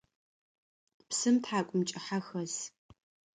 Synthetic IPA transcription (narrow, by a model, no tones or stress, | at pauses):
psɨmtħaːkʷʼʊmt͡ʃʼɪħaxɐz